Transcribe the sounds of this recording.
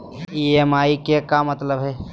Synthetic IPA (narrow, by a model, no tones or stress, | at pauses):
iemaːikekamɐt̪ləbɦɛː